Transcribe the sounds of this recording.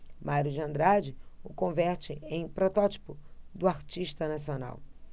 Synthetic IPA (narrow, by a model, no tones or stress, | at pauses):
mʔaɾʊd͡ʒɐ̃nd̪ɾad͡ʒɪʊkõvɛɾt͡ʃɪẽj̃pɾot̪ɔt͡ʃi̥pʊd̪ʊaɾt͡ʃiʃt̪ɐnasiona̰w